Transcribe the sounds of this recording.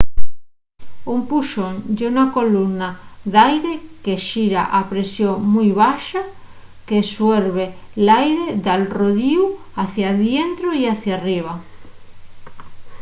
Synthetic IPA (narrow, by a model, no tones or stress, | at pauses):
umpuʃond͡ʒeunakolunaðajɾekeʃiɾa̰ʔapɾesjoŋmujβaʃa | kesweɾβelajɾeðalroðiu | aθjaðjent̪ɾoiaθjariβ̞a